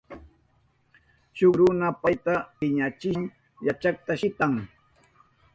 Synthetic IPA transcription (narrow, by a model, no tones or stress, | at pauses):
ʃokɾʊnapajt̪apɪɲat͡ʃɪŋ | jat͡ʃak̚t̪aʃɪt̪aŋ